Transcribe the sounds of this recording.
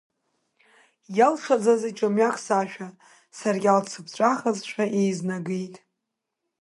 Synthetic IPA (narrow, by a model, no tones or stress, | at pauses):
jalʂʰʷad͡zazit͡ʃʼamɥakʰʼsaʃᶣa | sarɡʲalt͡sʰɨpʰt͡ʃʷʼaχazʃʷᶣaʔejznaɡejtʼ